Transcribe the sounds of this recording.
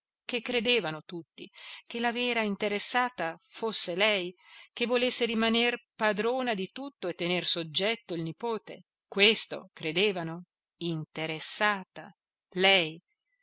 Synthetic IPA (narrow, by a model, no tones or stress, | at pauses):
kekːɾed̪eːvanot̪ut̪ːḭk̟elavɛːɾaint̪eɾesːaːt̪afosːelɛjk̟evːolesːeɾimanerpad̪ɾoːnad̪it̪ut̪ːoet̪ːenersod͡ʒːɛt̪ːoilnipoːt̪ḛ | kwest̪o̰kɾed̪eːvano | int̪eɾesːaːt̪a̰ | lɛj